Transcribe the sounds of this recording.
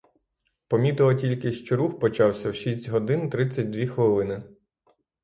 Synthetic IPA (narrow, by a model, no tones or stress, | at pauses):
pɔmʲit̪ɪlˠɐtʲilʲkɪʃt͡ʃɔɾuxpɔt͡ʃɑwsʲɐwʃisʲtʲɦɔd̪ɪnt̪ɾɪt͡sʲɐt̚ʲd̪ʋʲixʋɪlˠɪnɪ